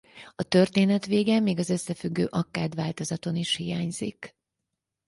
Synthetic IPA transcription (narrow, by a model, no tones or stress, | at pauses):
ɒt̪ø̞rt̪eːnɛt̪ʋeːɡɛmːeːɡɒzø̞sːɛfyɡːøːʔɒkːaːd̪ʋaːlt̪o̞zɒt̪o̞niʃhijaːɲz̥ḭk